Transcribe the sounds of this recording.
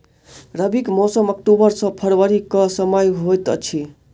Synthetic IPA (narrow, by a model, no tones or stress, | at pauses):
ɾəbikmɔsəmək̚ʈobəɾsʌ̃pʰəɾwaɾikʌsəməjɦojt̪ə̰t͡ʃʰi